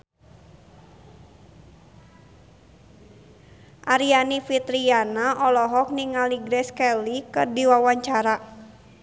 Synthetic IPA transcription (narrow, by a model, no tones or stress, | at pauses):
ʔaɾianifit̪ɾianaʔɔlɔɦɔk̚niŋaliɡɾɛskɛlikərdiwawaɲt͡ʃaɾa